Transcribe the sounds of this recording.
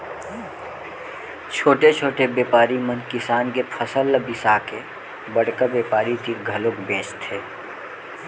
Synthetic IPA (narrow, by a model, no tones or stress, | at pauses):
t͡ʃʰoːʈet͡ʃʰoːʈebeːpaːɾimə̃nkɪsaːnkepʰəsəlbɪsake | bɐɽkabeːpaːɾit̪ʰikɡʱɐlokbẽːt͡ʃt̪ʰeː